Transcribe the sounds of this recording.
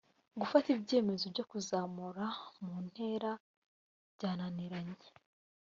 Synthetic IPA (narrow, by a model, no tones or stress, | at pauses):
ɡufatibɟe̞ːme̞zo̞bɟo̞kuzaːmuɾamuːn̥he̞ːɾa | bɟaːnaniɾaɲe